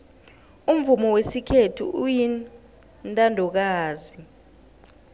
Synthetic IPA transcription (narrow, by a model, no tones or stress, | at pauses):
um̩vumɔwesikʰetʰṵʔuji | ntʼandʱɔk̬aːzi